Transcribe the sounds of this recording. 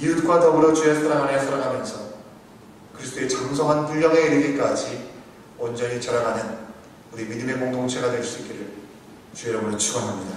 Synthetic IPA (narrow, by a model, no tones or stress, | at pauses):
iutk͈watʌɡɯɾot͡ɕuesʰaɾaŋɦaɾesʰaɾaŋɦamjʌnsʰʌ | kɯɾisʰt͈oe̞t͡ɕamsʰʌŋɦanpuʎːʌŋeiɾɯɡek͈ad͡ʑi | wʌnd͡ʑʌɲit͡ɕaɾaɡanɯn | uɾimidɯme̞koŋdoŋt͡ɕʰeɡadwe̞ɭs͈uit̚k͈iɾɯɭ | t͡ɕueɾʌmɯɭt͡ɕʰuɡʌŋɦamɲida